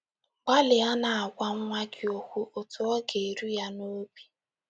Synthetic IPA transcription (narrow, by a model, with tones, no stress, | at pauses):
ɡ͡ba˦lɪ˨a˦na˨a˨ɡʷa˦ŋ̩˦ŋʷa˦ɡɪ˨o˨kʷu˦ʔo˨tʊ˨ɔ˦ɡe˨ɾu˦ja˦no˦bi̥˦